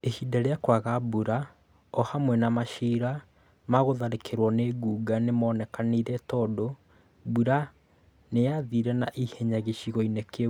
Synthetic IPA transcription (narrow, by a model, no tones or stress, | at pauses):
ehidaɾeakwaɣabuɾa | ɔhamwɛnamaʃiɾa | maɣoðaɾekʰeɾwɔneɡuːɡanemɔːnɛkaniɾɛtɔdo | buɾa | nejaðiɾɛnaʔihɛɲaɣeɕiɣɔineke